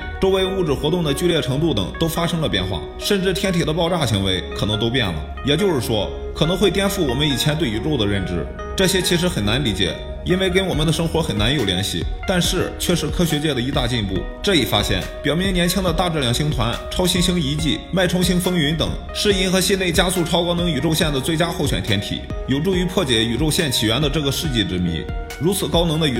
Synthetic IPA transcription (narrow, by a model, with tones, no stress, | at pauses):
ʈ͡ʂo˥ʊwe˧˥ɪu˥˩ʈ͡ʂɻ̩˨˩xwɔ˧˥t̪ʊ˥˩ŋd̪ə˩t͡ɕy˥˧ljɛ˥˩ʈ͡ʂʰɤ˧˥ŋt̪u˥˩t̪ɤ̰˨˩ŋt̪o˥ʊfa˥ʂɤ˥ŋlə˨pjɛ̰˥˧nxwa̰˥˩ | ʂə˥˧nʈ͡ʂɻ̩˥˩t̪ʰjɛ˥nt̪ʰi˨˩d̪ə˦pɑ˥˧ʊʈ͡ʂa˥˩ɕi˧˥ŋwe˧˥ɪkʰɤ˨˩nɤ˧˥ŋt̪o˥ʊpjɛ̰˥˩nlə̰˩jɛ˨˩t͡ɕjo˥˧ʊʂɻ̩˥˩ʂwɔ˥ | kʰɤ˨˩nɤ˧˥ŋxwe˥˧ɪt̪jɛ˥˧nfu˥˩wɔ˨˩mə˦ni˨˩t͡ɕʰjɛ˧˥nt̪we˥˩ɪi˧˥ʈ͡ʂo˥˩ʊd̪ə˩ɻə˥˩nʈ͡ʂɻ̩˧˥ | ʈ͡ʂɤ˥˩ɕjɛ˥t͡ɕʰi˧˥ʂ̬ɻ̩˧˥xə˨˩na˧˥nli˧˥t͡ɕjɛ̰˨˩˦ | i˥nwe˥˧ɪk̬e˥ɪwɔ˨˩mə˦nd̪ə˧ʂɤ˥ŋxwɔ˧˥xə˨˩na˧˥njo˨˩ʊljɛ˧˥nɕḭ˥˩t̪a˥˧nʂɻ̩˥˩t͡ɕʰɥɛ˥˧ʂɻ̩˥˩kʰɤ˥ɕɥɛ˧˥t͡ɕjɛ˥˩d̪ə˩i˧˥t̪a˥˧t͡ɕi˥˧npṵ˥˩ | ʈ͡ʂɤ˥˩i˨˩fa̰˥ɕjɛ̰˥˩npjɑ˨˩ʊmjɛ˧˥njɛ˧˥nt͡ɕʰi˥ŋd̪ə˨t̪a˥˧ʈ͡ʂ̩˥˩ljɑ˧˥ŋɕi˥ŋt̪ʰwa˧˥nʈ͡ʂʰɑ˥ʊɕi˥ŋɕi˥ŋi˧˥t͡ɕi˥˩ma˥˩ɪʈ͡ʂʰʊ˥ŋɕi˥ŋfɤ˥ŋy˧˥nt̪ɤ̰˨˩ŋ | ʂɻ̩˥˧i˥˩nxɤ˧˥ɕi˥˧ne˥˩ɪt͡ɕja˥su˥˩ʈ͡ʂʰɑ˥ʊkɑ˥ʊnɤ˧˥ŋy˨˩ʈ͡ʂo˥˧ʊɕjɛ˥˩nd̪ə˩t͡swe˥˩ɪt͡ɕja˥xo˥˩ʊɕɥɛ̰˨˩nt̪ʰjɛ˥nt̪ʰḭ˨˩˦jo˨˩ʊʈ͡ʂu˥˩y˧˥pʰwɔ˥˩t͡ɕjɛ˧˥y˨˩ʈ͡ʂo˥˧ʊɕjɛ˥˩nt͡ɕʰi˨˩ɥɛ˧˥nd̪ə˨˧ʈ͡ʂɤ˥˩ɡə˩ʂɻ̩˥˧t͡ɕi˥˩ʈ͡ʂɻ̩˥˩mḭ˧˥n | ɻu˧˥t͡sʰɹ̩˨˩kɑ˥ʊnɤ˧˥ŋd̪ə˧y˨˩